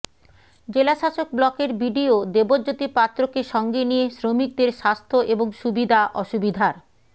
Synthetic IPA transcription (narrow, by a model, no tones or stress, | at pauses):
d͡ʑelaʃaʃok̚blɔkeɾbiɖiod̪ebod͡ʑot̪ipat̪ːɾokeʃɔŋɡenijesɾomik̚d̪eɾʃast̪ʰoʔeboŋʃubid̪ʱaʔɔʃubid̪ʱaɾ